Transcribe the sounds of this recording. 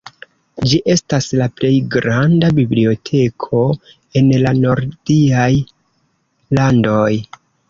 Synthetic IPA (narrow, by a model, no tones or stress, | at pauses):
d͡ʒiʔe̞staslaple̞jɡɾandabiblio̞tʰe̞kʰo̞ | e̞nlano̞ɾdiaj | lando̞j